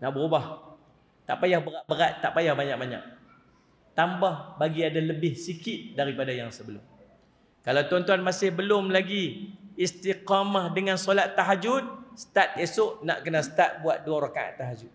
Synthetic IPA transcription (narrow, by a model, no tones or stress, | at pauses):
naʔbəɾubah | t̪a̰ʔpajahbəɾaʔ̚bəɾat̪ːaʔpajahbaɲaʔ̚baɲa̰ʔ̚ | t̪ambahbaɡiadaləbɪhsikɪt̪̚daɾipadajaŋsəbəlʊ̰m | kalawt̪ɔnt̪̬uanmasɪhbəlʊmlaɡiːst̪iqamahdəŋansolat̪ːaɦad͡ʒʊt̪̚sə̥t̪at̪̚esʊʔna̰ʔkənasə̥t̪at̪̚buat̪̚duaɾokaʔa̰ʔt̪ːaɦad͡ʒʊt̪̚